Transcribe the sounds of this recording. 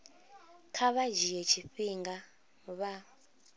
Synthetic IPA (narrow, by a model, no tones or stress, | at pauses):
kʰaβad͡ʒijɛt͡ʃʰiɸiŋɡa | βa